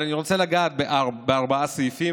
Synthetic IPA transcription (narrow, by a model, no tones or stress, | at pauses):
aniʁo̞t͡selaɡaːt̪̚beʔaʁbeaʁbaasojfi